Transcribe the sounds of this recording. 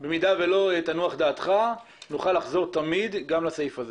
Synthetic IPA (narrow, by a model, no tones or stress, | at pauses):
bemid̪avelo̞et̪anuaχd̪aːt̪χa | nuχalːaχzo̞ʁt̪amid̪ɡamlasajifaze